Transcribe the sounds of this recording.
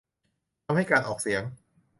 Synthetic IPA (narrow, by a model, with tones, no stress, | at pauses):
a˧mha˥˩jkaː˧nʔɔː˨˩k̚si˩˦əŋ